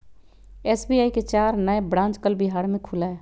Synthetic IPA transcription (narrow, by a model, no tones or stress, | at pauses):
ɛːsbiaːiket͡ʃaːɾnəebɾãːnt͡ʃkəlbɪɦaːɾmẽkʰʊlaɛ